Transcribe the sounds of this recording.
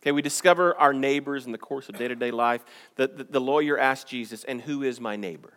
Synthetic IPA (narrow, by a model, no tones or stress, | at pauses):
kʰeɪwidɨskʌvə˞ʔaʊə˞neɪbə˞zn̩ðɨkʰɔɹsʌvdeɪɾɨdeɪlaɪf | ðɨðɨðəlɔɪə˞ʔæsk̚d̥ʒ̥izɨsɨ̃nhuɪzmaɪneɪbə˞